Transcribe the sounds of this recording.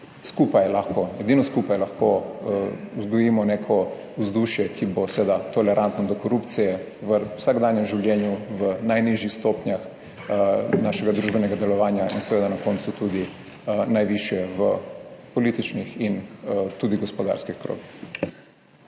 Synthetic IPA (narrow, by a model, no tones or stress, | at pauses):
skupajɛlaxkoɛd̪inɔskupajɛlɐxko | uzɡɔjiːmɔnekʰɔ | uzd̪uʃjɛkʰibosʋeːd̪at̪ɔlɛɾʔant̪nɔd̪ɔkɔɾupt̪sijɛ | ʋəwsaɡd̪aːnjɛmʒiwljɛːnjuʋənajniʒjixst̪ɔpnjax | naːʃɛɡad̪ɾuʒbɛnɛɡad̪ɛlɔʋaːnjainsɛʋeːd̪anakɔnsut̪ud̪i | najʋiʃjɛʋəpɔliːt̪it͡ʃnixint̪uːd̪iɡɔspɔd̪a̰ɾskixkɾo̰ːɡix